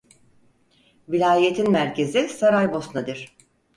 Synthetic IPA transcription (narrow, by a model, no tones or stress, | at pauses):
vilʲaːje̞t̪ʰinmæɾcʰe̞zisaɾajbo̞snad̪ɯɾ̥